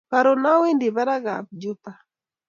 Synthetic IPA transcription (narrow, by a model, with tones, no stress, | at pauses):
pa˨ɾɔ˨na˦wi˦ndi˨βa˦ɾa˦ɣa̰˨p̚d͡ʒu˦pa˨